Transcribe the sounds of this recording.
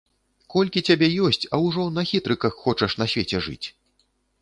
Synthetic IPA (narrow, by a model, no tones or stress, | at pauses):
kɔlʲkʲit͡sʲabʲɛjɔsʲt͡sʲɐwʐɔnɐxʲit̪ɾɨkɐxːɔt͡ʂɐʂn̪ɐsʲvʲet͡sʲɛʐɨ̰t͡sʲ